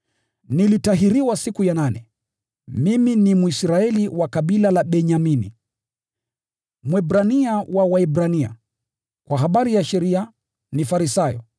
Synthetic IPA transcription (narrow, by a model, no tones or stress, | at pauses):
nilitaɦiɾiwasikujananɛ | miminimuisɾaɛliwakaɓilalaɓɛɲaminḭ | mwɛbɾaniawawaɛbɾania̰ | kwaɦaɓaɾijaʃɛɾia | nifaɾisajɔ̰